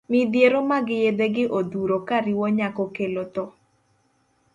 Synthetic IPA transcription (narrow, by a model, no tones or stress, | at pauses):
mɪd̪jeɾomaɡɪjed̪eɡɪʔod̪uɾokaɾiwɔɲakɔkelot̪ɔ